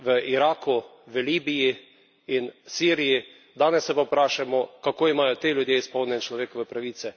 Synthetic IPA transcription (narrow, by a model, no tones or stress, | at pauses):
ʋəʔiɾaːkuʋəliːbiji | insiːɾiji | d̪aːnɛsːɛpapɾaːʃamɔkakoːimaːjɔt̪eːljud̪jeːispɔwnʲjɛnɛt͡ʃlɔʋeːkɔʋɛpɾaʋiːt̪sɛ